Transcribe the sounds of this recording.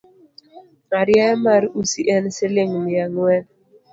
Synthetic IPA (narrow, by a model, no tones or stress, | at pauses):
aɾjamaɾusiʔɛnsɪlɪŋmɪaŋwɛ